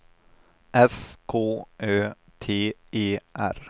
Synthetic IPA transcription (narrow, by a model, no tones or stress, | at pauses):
ʔɛskʰoːʔøːt̪ʰeːeːʔæ̰ɾ